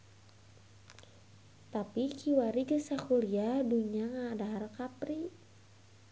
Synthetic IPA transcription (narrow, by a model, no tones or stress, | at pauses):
t̪apikʰiwaɾiɡəsakuɾiaduɲaŋaːdaɦaɾakapɾi